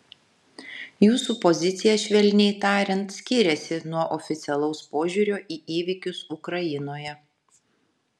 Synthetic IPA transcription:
juːsuːpɔzʲɪt̪sʲɪjɛʃʲʋʲɛlʲnʲɛɪt̪ɑːɾʲɛnt̪sʲkʲiːɾʲɛsʲɪnuɔʔɔfʲɪt̪sʲɛlˠɒʊspoːʒʲuːɾʲoːʔiːʔiːʋʲɪkʲʊsʊkɾɐjɪnoːjɛ

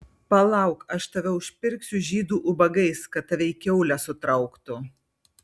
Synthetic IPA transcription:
pɐlˠɐʊkɐʃt̪ɐʋʲɛʊʃʲpʲɪɾʲksʲʊʒʲiːd̪uːʔʊbɐɡɐɪskɐt̪̚t̪ːɐʋʲɛɪkʲɛʊlʲæsʊt̪ɾɐʊkt̪ʊ

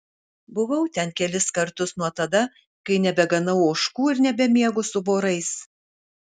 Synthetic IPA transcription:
bʊʋɐʊt̪ʲɛnkʲɛlʲɪskɐɾt̪ʊsnuɔt̪ɐd̪ɐ | kɐɪnʲɛbʲɛɡɐnɐʊoʊʃkuːɪɾnʲɛbʲɛmʲiɛɡʊsʊboːɾɐɪs

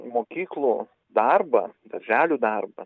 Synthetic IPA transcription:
moːkʲiːklˠuː | d̪ɐrbɐd̪ɐɾʲʒʲæːlʲuːd̪ɑrbɐ

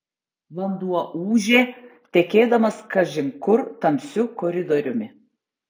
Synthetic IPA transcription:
ʋɐnd̪uɔʔuːʒʲeːt̪ʲɛkʲeːd̪ɐmɐskɐʒʲɪmkʊɾt̪ɐmʲsʲʊkɔɾʲɪd̪ɔɾʲʊmʲɪ

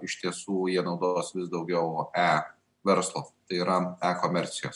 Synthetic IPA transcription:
ɪʃt̪ʲiɛsuːjiɛnɒʊd̪oːsʋʲɪsd̪ɒʊɡʲɛʊæː | ʋʲɛɾslˠoːt̪ɐɪiːɾɐæːkoːmʲɛɾʲt̪sʲɪjoːs

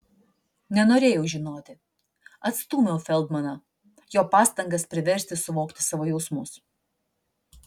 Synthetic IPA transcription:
nʲɛnoːɾʲeːjɛʊʒʲɪnoːt̪ʲɪ | ɐt̪st̪uːmʲɛʊfʲɛlˠd̪mɐnɐ | joːpɑːst̪ɐŋɡɐspʲɾʲɪʋʲɛɾʲsʲt̪ʲɪsʊʋoːkt̪ʲɪ̥sɑːʋoːjɛʊsmʊs

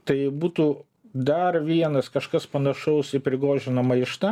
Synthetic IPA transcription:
t̪ɐɪbuːt̪uː | d̪ɐrʋʲiɛnɐskɐʃkɐspɐnɐʃɐʊsɪpʲɾʲɪɡoːʒʲɪnɐmɐɪʃt̪ɐ

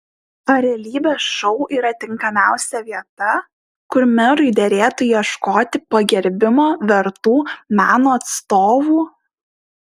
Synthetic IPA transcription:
pɐɾʲɛlʲiːbʲeːsʃɔʊʔiːɾɐt̪ʲɪŋkɐmʲæˑʊsʲɛʋʲiɛt̪ɐ | kʊɾmʲɛɾʊɪd̪ʲɛɾʲeːt̪ʊjiɛʃkoːt̪ʲɪpɐɡʲɛɾʲbʲɪmoːʋʲɛɾt̪uːmʲæːnoːɐt̪st̪oːʋuː

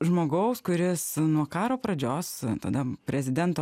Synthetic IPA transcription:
ʒmoːɡɐʊskʊɾʲɪsnuɔkɑːɾoːpɾɐd͡ʒʲoːst̪ɐ̰d̪ɐpʲɾʲɛzʲɪd̪ʲɛnt̪oː

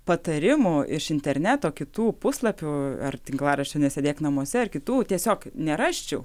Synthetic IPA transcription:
pɐt̪ɐɾʲɪmʊɪʃɪnʲt̪ʲɛɾʲnʲæt̪oːkʲɪt̪uːpʊslˠɐpʲʊɐrt̪ʲɪŋklˠɑːrɐʃt͡ʃʲɛnʲɛsʲɛd̪ʲeːknɐmuɔsʲɛɐrkʲɪt̪uːt̪ʲiɛsʲoːknʲɛɾɑːʃʲt͡ʃʲɛʊ

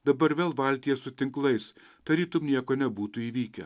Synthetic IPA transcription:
d̪ɐbɐɾʋʲeːlˠʋɐlʲt̪ʲijɛsʊt̪ʲɪŋklˠɐɪs | t̪ɐɾʲiːt̪ʊmnʲiɛkoːnʲɛbuːt̪ʊiːʋʲiːkʲɛ̰

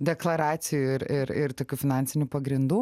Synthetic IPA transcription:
d̪ʲɛklˠɐɾɑːsʲɪjuɪɾɪɾɪɾt̪oːkʲuːfʲɪnɑnʲsʲɪnʲuːpɐɡɾʲɪnd̪uː

